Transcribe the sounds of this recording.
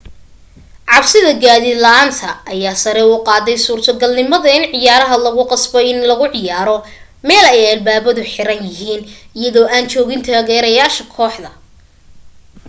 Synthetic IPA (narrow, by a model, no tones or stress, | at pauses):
ʕɑbsɪðɐɡaːðɪd̪lɐaːnt̪ʰɐːjaːsɐɾɛuːqɑːðɛjsuːrt̪ʰɐɡɐlnɪmɐðɐɪnʕɪjaːɾɐɦɐlɐɣʊqɑsbɔɪnlɐɣʊʕɪjaːɾɔ | mɛːlɛjɐlbaːβɐðʊħɪɾɐnjɐɦiːnɪjɐðɔːʔaːnt͡ʃɔːɣɪnt̪ʰaːɣɛːɾɐjaːʃɐkʰɔːħd̪ɐ